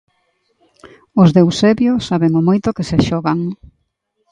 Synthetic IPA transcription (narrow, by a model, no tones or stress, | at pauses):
ʊzðewsɛβjʊsaβeŋʊmojt̪ʊkɪseʃɔɣaŋ